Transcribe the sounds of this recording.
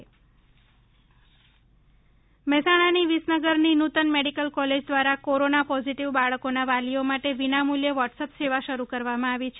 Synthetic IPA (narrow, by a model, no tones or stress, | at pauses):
mɛsaɽ̃aniʋisnəɡəɾninut̪ənmeɽikəlkɔled͡ʒd̪ʋaɾakoɾonapɔd͡ʒiʈiʋbaɭəkonaʋaliomaʈeʋinamuljəʋɔʈsəpseʋaʃəɾukəɾʋamãaʋit͡ʃʰe